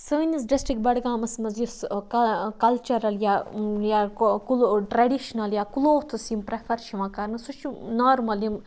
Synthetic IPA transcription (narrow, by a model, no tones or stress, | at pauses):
sɨnis̬ɖisʈɾik̚bɐɽɡaːmɐsmɐzjuskɐkɐlt͡ʃɐɾɐljajakulʈɾeɖiʃɐnɐljaːkuloːt̪ʰusimpɾefʰɐɾʃiʋãːkaɾnɨsut͡ʃunaːɾmɐljim